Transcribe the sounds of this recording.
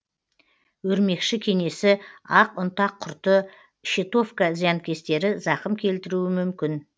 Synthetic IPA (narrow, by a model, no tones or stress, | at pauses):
wɵɾme̞kʃɪkʲʰe̞ŋe̞sɪɑqʊnt̪ɑqʰːʊɾt̪ə | ʃet̪o̞fkazijankʲe̞st̪e̞ɾɪzɑqəmkʲʰe̞lt̪ɪɾuɪmʏmkʲɪn